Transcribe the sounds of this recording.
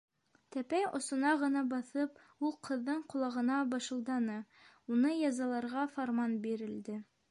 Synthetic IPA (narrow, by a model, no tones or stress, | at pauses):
t̪æpæjŏ̰sŏnɑʁɤ̆nɑbɑθɤp | ulˠqʰɤ̆ðːɤɴqŏlˠɑʁɤ̆nɑbɑʃɤ̆lˠd̪ɑnɤ | unɤjɑzɑlˠɑɾʁɑfoɾmɑnbiɾɘ̆ld̪ɘ